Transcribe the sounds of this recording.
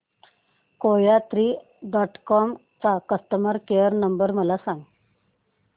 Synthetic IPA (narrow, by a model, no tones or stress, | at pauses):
kojat̪ɾiː | ɖɔʈkɔm | t͡sakəst̪əməɾkejəɾnəmbəɾməlasãŋɡ